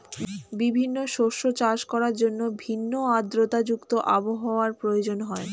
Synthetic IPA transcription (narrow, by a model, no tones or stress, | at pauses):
bibʱinːoʃoɾʃot͡ɕaʃkɔɾaɾd͡ʑonːobʱinːoad̪ɾot̪ad͡ʑukt̪oʔaboɦaoaɾpɾojod͡ʑonɦɔe